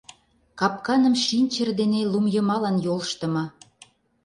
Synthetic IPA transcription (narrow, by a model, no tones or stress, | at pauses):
kɑp̚kɑnə̆mʃinʲt͡ɕərd̪enelumjəmɑlɑnjolʃt̪ə̆mɤ